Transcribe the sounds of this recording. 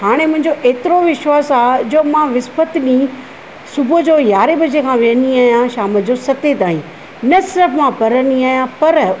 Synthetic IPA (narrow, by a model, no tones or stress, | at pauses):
haːɽ̃emʊ̃ɦɪ̃ɲd͡ʑoʔeːt̪ɪɾoʋɪʃwaːsaːd͡ʑoːmãʋɪspət̪ɗĩ | sʊbʊd͡ʑoːjaːɾebɐəd͡ʑekʰãʋiə̃niaːɦjãʃaːməd͡ʑoːsɐt̪et̪aːĩ | nɐsɪɾəfmãpɐɾəniaːɦijãpɐɾ